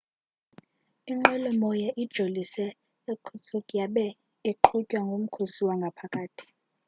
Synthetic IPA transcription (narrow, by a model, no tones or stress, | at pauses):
iŋ͡ǃɛlɔmɔjaʔid̥ʒ̥ʱolisɛː | kʰut͡sʰʼukʼjaɓɛ | eǃʰucʼwaŋɡʱom̩kʰosiwaŋɡʱapʰakʼaːtʰi̥